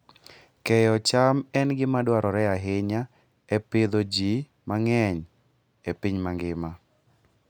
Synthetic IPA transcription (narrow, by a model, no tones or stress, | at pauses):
kɛjɔt͡ʃamɛnɡɪmadwaɾɔɾɛaɦɪɲa | ɛpɪd̪ɔd͡ʒi | maŋɛɲ | epiɲmaŋɡɪma